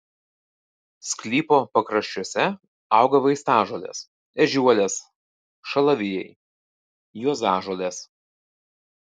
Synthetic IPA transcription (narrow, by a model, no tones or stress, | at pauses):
sʲkʲlʲiːpoːpɐkɾɐʃʲt͡ʃʲuɔsʲɛ | ɑˑʊɡɐʋɐɪst̪ɑːʒoɔlʲḛːs | ɛʒʲuɔlʲeːs | ʃɐlˠɐʋʲɪjɛɪ | juɔzɑːʒoːlʲeːs